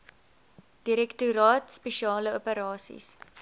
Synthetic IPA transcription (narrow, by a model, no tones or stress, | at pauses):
d̥iɾɛktuɾɑːtspeʃiɑːləopəɾɑːsḭs